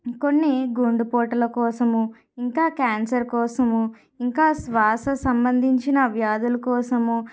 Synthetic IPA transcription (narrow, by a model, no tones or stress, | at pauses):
ko̞nːiɡoɳɖupoːʈɐlɐkɔːsɐmu | iŋkaːkaːnsɐɾkɔːsɐmu | iŋkaːsʋaːsɐsɐmbɐnd̪ʱiɲt͡ʃinɐʋjaːd̪ulɐkɔːsɐmu